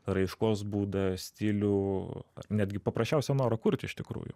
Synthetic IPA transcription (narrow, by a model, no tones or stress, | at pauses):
rɐɪʃkoːsbuːd̪ɐsʲt̪ʲiːlʲuːɐ̰nʲæːd̪ʲɡʲɪpɐpɾɐsʲt͡ʃʲɛʊsʲɛnoːɾɐkʊɾʲt̪ʲɪʃt̪ʲɪkɾṵːjʊ̰